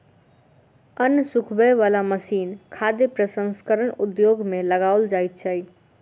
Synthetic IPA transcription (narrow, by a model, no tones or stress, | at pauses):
ənjəsʊkʰbəjʋaːlaməsiːnkʰaːd̪jəpɾəsə̃nskəɾəɳʊd̪joːɡmẽləɡaːʊld͡ʒaːit̪̚t͡ʃʰaːi